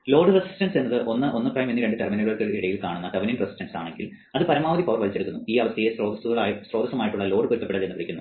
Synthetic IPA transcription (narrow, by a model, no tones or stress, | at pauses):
lo̞ːɖɨresi̥sʈɐnse̞nːɐðɨʔo̞nːɨʔo̞nːɨprɐjmenːiɾe̞ɳɖɨʈerminɐlɭɐrkːɨiɽɐjilkaːɳunːɐkɐʋɐninresi̥stɐnsaːɳe̞ŋɡil | ɐðɨpɐɾɐmaːʋɐðipɐʋɐrʋɐlit͡ɕːeuk̪ːunːuiːɐʋɐst̪ɐjesroːd̪ɐsuɣɐɭaːjsroːd̪ɐsɐmaːjiʈːuɭːɐlo̞ːɖɨpuɾut̪ːɐpːeɽɐðlenːɨpiɽikʲːunːu